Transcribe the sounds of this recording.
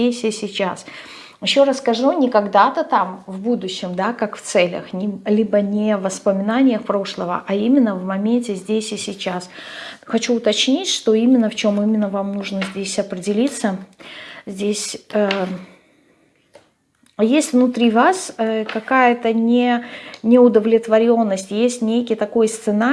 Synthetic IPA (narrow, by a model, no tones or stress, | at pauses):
esʲɪsʲɪt͡ɕas | jɪɕːo̞ɾaskɐʐunʲɪkɐɡd̪at̪ət̪amvbud̪ʊɕːɪmd̪akakft̪sɛlʲə̰xnʲɪlʲibənʲɪvəspəmʲɪnanʲɪjəxpɾo̞ʂlˠəvə̰ʔɐimʲɪnːəvmɐmʲentʲɪzʲdʲesʲɪsʲɪt͡ɕːasxɐt͡ɕuʊt̪ɐt͡ɕnʲitʲʂt̪o̞imʲɪnːəft͡ɕo̞mimʲɪnːəvamnuʐnəzʲdʲesʲɐpɾʲɪdʲɪlʲit̪sə | zʲdʲesʲə | jesʲtʲvnʊt̪ɾʲivasəkɐkajət̪ənʲɪnʲɪʊd̪əvlʲɪt̪vɐɾʲo̞nːəsʲtʲjesʲtʲnʲejkʲɪjt̪ɐko̞jst̪sɨna